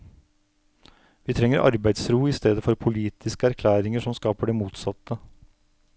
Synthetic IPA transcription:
ʋiːt̪ʰɾɛŋːəɾʔɑ̰ɾbæɪd̪sɾuːɪst̪eːd̪əfɔɾpʰʊliːt̪ʰɪskəæɾkʰlæːɾɪŋəʂɔmskɑːpəɖɛmuːt̪sɑt̪ʰːə

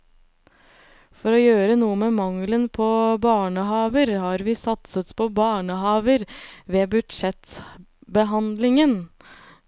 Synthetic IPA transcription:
fɔɾɔjøːɾənuːəmeːmɑŋlənpʰɔbɑːɳəhɑːʋəɾhɑɾʋɪːsɑt̪sət̪pʰɔbɑːɳəɦɑːʋəɾʋeːbʉd̪ʂɛt̪ | bəɦɑnd̪lɪŋən

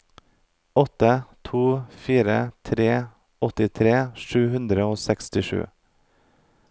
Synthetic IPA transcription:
ɔt̪ət̪ʰuːfiːɾə̰t̪ʰɾeː | ɔt̪ɪt̪ʰɾeːʃʉːhʉnd̪ɾəoːsɛkst̪ɪʃʉ̰ː

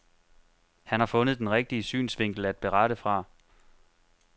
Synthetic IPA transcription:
hænhɑ̈fɔ̽nð̩ˠd̥enʁeɡ̥̚d̥iəsy̰ːnsʋe̝ŋ̰ɡ̥l̩æd̥̚b̥e̝ʁɑɾ̥əfʁɑ̈

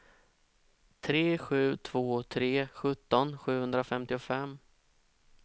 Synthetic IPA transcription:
t̪ʰɾeːɧʉ̟ːt̪ʰv̥oːt̪ʰɾeːɧɵt̪ːɔnɧʉ̟ːhɵnd̪ɾafɛmt̪ɪʊfɛmː

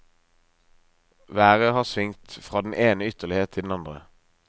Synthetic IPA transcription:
ʋæːʁəhɑːʁsʋɪŋt̪fʁɑːd̪n̩ʔeːnəʏt̪əʁlɪheːt̪ʰɪld̪n̩ɑnd̪ʁə̰

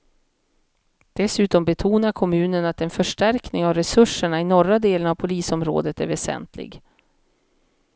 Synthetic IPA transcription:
d̪̥ɛsʉ̟ːt̪ɔmbɛt̪ʰuːnaɾkʰɔmʉ̟ːnənat̪ɛnfœʂʈæɾknɪŋavɾɛsɵʂəɳaɪnɔɾːad̪eːlənavpʰʊliːsɔmɾo̰ːd̪ət̪æɾvɛsɛ̰nt̪ʰlɪ̰ɡ

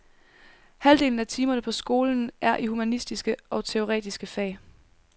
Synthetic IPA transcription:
hæld̥e̝ːln̩æt͡sʰiːmɐnəpʰɒ̽sɡ̥o̝ːln̩ʔæɐʔihumænisd̥isɡ̥əʔɒ̽t͡sʰe̝o̝ʁɛ̰ːd̥isɡ̥əfɛ̰ːɪ

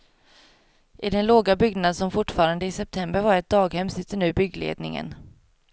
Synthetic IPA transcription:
ʔɪd̪ɛnloːɡabʏɡnad̪sɔmfʊʈːfɑːɾand̪əɪsɛp̚t̪ʰɛmbəɾvaɾɛt̪̚d̪ɑːɡhɛmsɪt̪ːəɳʉ̟ːbʏɡlḛːd̪nɪ̰ŋə̰n

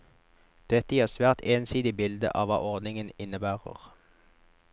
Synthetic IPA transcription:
d̪̥ɛt̪əjiːʁsʋæːʁt̪eːnsiːd̪ɪbɪld̪ə̰ʔɑ̰ːʋɑ̰ːʔɔʁd̪nɪŋənɪnəbæːʁə̰ʁ

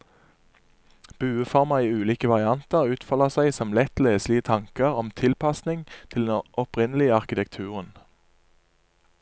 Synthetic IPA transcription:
b̥ʉːəfɔʁmɑiːʉːliːkəʋɑʁɪɑnt̪əʁʉːt̪fɔləsæɪsɔmlɛt̪leːslɪət̪ʰɑŋkəʁɔmt̪ʰɪlpɑsnɪŋt̪ʰɪlɛʔɔpʁɪnəlɪəɑʁkɪt̪ʰɛk̚t̪ʰʉːʁən

